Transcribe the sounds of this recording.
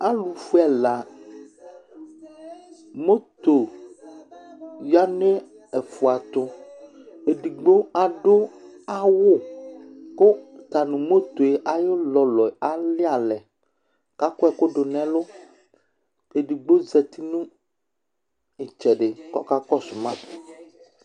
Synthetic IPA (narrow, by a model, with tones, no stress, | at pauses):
a˦lu˨fu˦ɛ˨la˨ | mo˦t̪o˨ | ja˦nɛ̃˦ | ɛ˨fu˨a˨t̪o˦ | e˨ɖi˨ɡ͡bo˦a˨ɖo˦a˦wo˦ | ko˦t̪a˨nũ˨mo˦t̪o˨e˨ʔa˨jo˦lɔ˨lɔ˨a˦li˦a˨lɛ˨ | ka˦ko˦ɛ˨ko˦ɖo˨nɛ̃˦lo˦ | e˨ɖi˨ɡ͡bo˦zɛ˨t̪i˦nũ˦ | i˨t͡ʃɛ˨ɖe˨kɔ̰˦ka˦kɔ˦su˨mã˦˨